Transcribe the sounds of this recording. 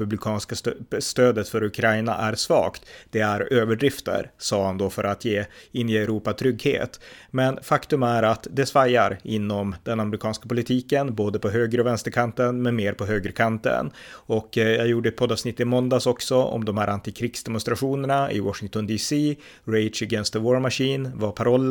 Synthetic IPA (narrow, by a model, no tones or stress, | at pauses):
pɵblɪkʰɑːnskast̪øːd̪ət̪fœɾɵkʰɾajna̰ʔæɾsvɑ̰ːkt̪d̪̥ɛæɾøːvəɖɾɪft̪ə̰ɾsɑːhand̪oːfœɾʔat̪ʰjeːɪnːɪɛɾuːpat̪ʰɾʏɡhḛːt̪mɛnfakt̪ɵmæɾat̪d̪ɛsvajaɾɪnːɔmd̪̥ɛnamɾɪkʰɑːnskapʊlɪt̪ʰiːkənboːd̪əpʰɔɦøːɡɾəɔvɛnst̪əɾkʰant̪ənmɛnmeːɾpʰɔɦøːɡɾəkʰant̪ə̰nɔkːjajuːɖəɛt̪pʰɔd̪ɑːvsnɪt̪ːɪmɔnd̪aːsɔksɔɔ̰md̪ɔmhæːɾʔant̪ɪkʰɾɪːɡsd̪ɛmʊnst̪ɾaɧuːnəɳaɪ̰wɑʂɪŋt̪ɔnd̪iːsiː | ɾɛɪʂəɡɛnst̪əwɔːɾmaʂiːnvapʰaɾɔlː